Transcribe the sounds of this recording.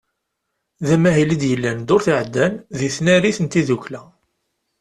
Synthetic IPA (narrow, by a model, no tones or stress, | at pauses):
ðæmæɦilid̪jəlːænd̪ʊɾθiʕəd̪ːænðiθnæɾiθənt̪iðuçlæ